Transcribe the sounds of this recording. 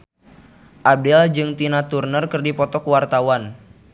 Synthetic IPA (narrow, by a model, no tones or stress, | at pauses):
ʔab̚dɛld͡ʒɨŋt̪inat̪urnərkɨrdipɔt̪ɔkwart̪awan